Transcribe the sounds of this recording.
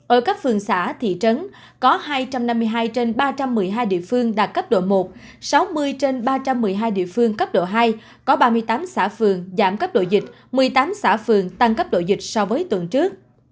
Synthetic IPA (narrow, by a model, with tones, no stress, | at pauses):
ʔəː˧˩kaː˦˥k̚fɨ˨˩əŋsa̰ː˧˩t̪ʰḭ˧˨t͡ɕə˨˦n | kɔ˨˦haː˧jt͡ɕa˧mna˧mːɨ˧jɦaː˧jt͡ɕe˧nɓaː˧t͡ɕa˧mːɨ˨˩əjɦaː˧jɗḭ˧˨əfɨ˧əŋɗaː˨˩t̚kə˦˥p̚ɗo̰˧˨mo˨˩t̚ | sa˨˦wmɨ˧əjt͡ɕe˧nɓaː˧t͡ɕa˧mːɨ˨˩əjɦaː˧jɗḭ˧˨əfɨ˧əŋkə˦˥p̚ɗo̰˧˨ɦaː˧j | kɔ˨˦ɓaː˧mɨ˧əjt̪aː˨˦msaː˧˩fɨ˨˩əŋzaː˧˩mkə˦˥p̚ɗo̰˧˨zï˨˩k̟̚ | mɨ˨˩əjt̪aː˨˦msaː˧˩fɨ˨˩əŋt̪a˧ŋkə˦˥p̚ɗo̰˧˨zï˨˩k̟̚sɔ˧vəː˨˦jt̪wə˨˩nt͡ɕɨ˦˥ək̚